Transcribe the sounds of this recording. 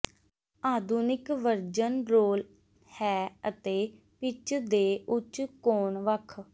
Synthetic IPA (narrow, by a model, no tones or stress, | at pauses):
aːd̪unɪkʋəɾd͡ʒənɾoːl | hɛːət̪eː | pɪt͡ʃd̪eːʔʊt͡ʃkoːɳʋəkʰ